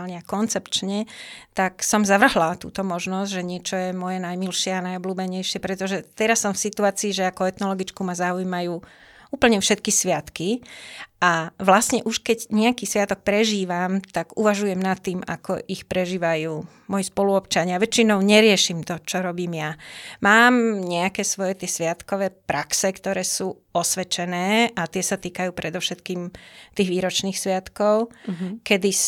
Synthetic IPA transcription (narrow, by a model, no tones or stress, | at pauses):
lɲɛakɔnt͡sɛpt͡ʃɲɛt̪aksɔmzaʋr̩ɦlat̪ṵːt̪ɔmɔʒnɔzɟʒɛɲɪɛt͡ʃɔjɛmɔjɛnajmilʃɪɛanajɔbluːbɛɲɛjʃɪɛpɾɛt̪ɔʒɛt̪ɛɾasːɔmfsit̪uaːt͡siːʒɛakɔɛt̪nɔlɔɡit͡skumazaːujmajuː | uːpl̩ɲɛfʃɛt̪̚kisʋɪat̪kiʔaʋlasɲɛʔuʃkɛɟɲɛakiːsʋɪat̪ɔk̚pɾɛʒiːʋamt̪aɡuʋaʒujɛmnat̪ːiːma̰kɔ̰ʔixpɾɛʒiːʋajuː | mɔjispɔluɔpt͡ʃaɲɪaʋɛt͡ʃinɔʊɲɛɾɪɛʃiːmt̪ɔt͡ʃɔɾɔbiːmjamaːmɲɛakɛːsʋɔjɛt̪ɪɛsʋɪat̪kɔʋɛːpɾaksɛkt̪ɔɾɛːsuː | ɔsʋɛt͡ʃɛnɛːʔat̪ɪɛsat̪iːkajuːpɾɛd̪ɔʊʃɛt̪kiːmt̪iːɣʋiːɾɔt͡ʃniːxsʋɪat̪kɔʊkɛd̪i